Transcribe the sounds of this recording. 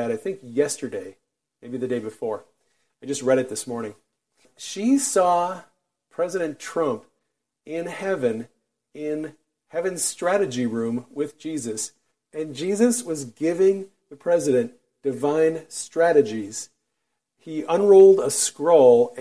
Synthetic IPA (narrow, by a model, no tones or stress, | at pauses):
ɨɾaɪθɪ̃ŋkjɛstə˞deɪ | meɪbiðɨdeɪbɨfɔɹ | aɪd͡ʒʌst̚ɹɛɾɨt̪̚ðɪsmɔɹnɪ̃ŋ | ʃisɔ | pʰɹ̥ɛzɨɾɨ̃ntʰɹ̥ʌ̃mp | ɪ̃nhɛvɨ̃n | ɪ̃n | hɛvɨ̃nz̥stɹ̥æɾɨd͡ʒiɹʉ̃mwɪðd͡ʒizɨs | ɨ̃nd͡ʒizɨswʌzɡɪvɪ̃ŋ | ðɨpʰɹ̥ɛzɨɾɨ̃n | d̥ɨvãɪ̃nstɹ̥æɾɨd͡ʒiz̥ | iʔə̃nɹoʊlˠdəskɹoʊlˠ